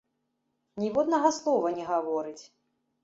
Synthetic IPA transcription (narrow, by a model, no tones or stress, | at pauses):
nʲivɔd̪nɐɣɐslˠɔvɐnʲɛɣavɔɾɨt͡sʲ